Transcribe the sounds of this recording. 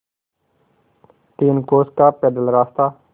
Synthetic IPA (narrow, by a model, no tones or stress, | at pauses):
t̪iːnkoːskaːpeːɖ̪əlɾaːst̪aː